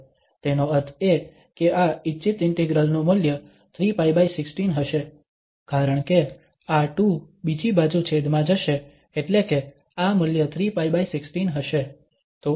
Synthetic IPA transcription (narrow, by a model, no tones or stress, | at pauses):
t̪enoəɾt̪ʰe | keʔaɪːt͡ʃʃɪt̪ɪɳʈeɡɾəlnoməljə | t̪ʰɾipajbaisɪksʈinɦəʃe | kaɾəɳ̃ke | aʈu | bid͡ʒibad͡ʒũt͡ʃʰed̪mãd͡ʒəʃeː | ʈleke | aməljət̪ʰɾipajbaisɪksʈinɦəʃe | t̪o